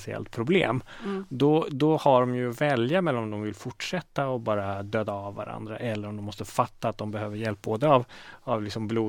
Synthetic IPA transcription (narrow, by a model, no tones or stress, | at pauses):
sɪɛ̰lt̪̚pʰɾʊblḛːmd̪ɔd̪ɔhaɖɔmjɵvɛljamɛlːɔmd̪ɔmvɪlfʊʈʂɛt̪ːaɔbɑːɾad̪øːd̪aːvːa̰ɾa̰nd̪ɾa̰ʔɛlːəɾɔmd̪ɔmːɔst̪əfat̪ːaːt̪̚d̪ɔmbɛhøːvəɾjɛlp̚boːd̪əavavlɪksɔmbluː